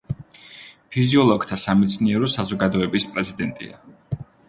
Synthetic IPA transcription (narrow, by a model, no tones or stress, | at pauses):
pʰiziɔlˠɔɡt̪ʰasamɛt̪sʰniɛɾɔsazɔɡad̪ɔɛbispʼɾɛzid̪ɛnt̪ʼḭa̰